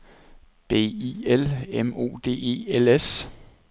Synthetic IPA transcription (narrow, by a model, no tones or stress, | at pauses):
b̥e̝̰ːielemo̝̰ːd̥e̝̰ːe̝̰ːeles